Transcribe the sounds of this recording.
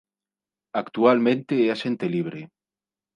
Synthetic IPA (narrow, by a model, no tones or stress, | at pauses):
akt̪ualmẽnt̪eeaʃent̪eliβ̞ɾe